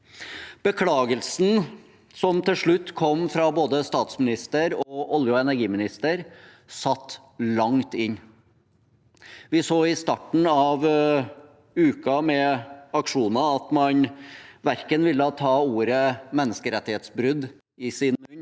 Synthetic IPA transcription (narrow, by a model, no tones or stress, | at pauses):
b̥əkʰlɑːɡəlsn̩ | sɔmt̪ʰɪlʂɭʉt̪ːkʰɔmːfɾɑboːd̪əst̪ɑːt̪smɪnɪst̪əɾɔʔɔljəɛnæɾɡiːmɪnɪst̪əɾ | sɑt̪ː | lɑŋt̪ɪnː | ʋɪsoːɪst̪ɑʈɳ̩ɑʋ | ʉːkɑmɛɑkʂuːnɑɑt̪mɑnʋæɾkənʋɪlːəɑt̪ʰɑːuːɾəmɛnːəskəɾɛt̪ːɪheːt̪sbɾʉd̪ | ɪsɪnʉnː